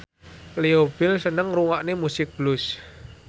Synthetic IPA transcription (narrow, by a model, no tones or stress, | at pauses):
leob̥ɪlsənəŋruŋaʔnemusɪk̚b̥lʊs